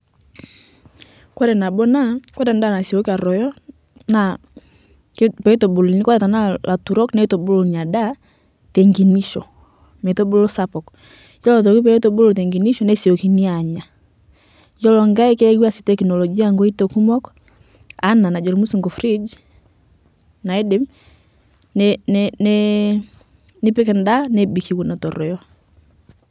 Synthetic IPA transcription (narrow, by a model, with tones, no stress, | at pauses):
kwɛ˦ɾɛ˨na˨bɔ˦na˦kwɛ˦ɾa˨nda˦˨na˨si˨ɔ˦ka˨ɾɔ˨jɔ˦ | na˨ | kpɛ˨˦tɔ˨bu˨lni˦kwɔ˦ta˨ta˨na˦lʔa˨tu˨ɾɔ˦knɛ˦i˦tɔ˨bu˦lɔ˨ɲa˨da˦ | tɛ˨ŋɡi˨ni˦ʃɔ˨ | mɛ˨tɔ˦bu˦lɔ˦sa˦pɔ˨k | jɔ˦lɔ˨t̬ɔ˨ki˦p̬ɛ˨ɛ˦tɔ˦bu˦lɔ˨t̬ɛ˨ŋɡi˨ni˦ʃɔ˦nɛ˦si˨ɔ˨ki˨ni˦a˨ɲa˨ | jɔ˦lɔ˨ŋɡa˦ɛ˦kɛ˦ɛ˦ɡwa˦si̥˨tɛkinɔ˨lɔɡi˦aŋɡɔ˦i˦tɔku˦mɔ˦k | a˦na˨na˨d͡ʒɔ˨ɾi˨mu˦su˨ŋɡɔ˨fɾi˦d͡ʒ | na˨ɛ˦dɛ˦m | nɛɛnɛ | ni˦pɛ˦kɛ˨nda˦nɛbi˨ki˨wu˨na˨tɔ˨ɾɔ˨jɔ˦